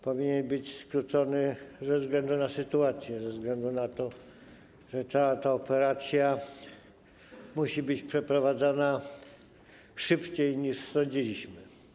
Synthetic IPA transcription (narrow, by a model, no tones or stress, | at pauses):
pɔvʲiɲɛnbɘt͡ɕskɾut̪sɔnɘzɛvzɡlɛnd̪unasɘt̪uat̪sʲjɛzɛvzɡlɛnd̪unat̪ɔ | ʐɛt̪at̪aɔpɛɾat̪sʲja | muɕibɘt͡ɕpʂɛpɾɔvad̪zana | ʂɘpt͡ɕejɲiʂsɔɲd͡ʑilʲiɕmɘ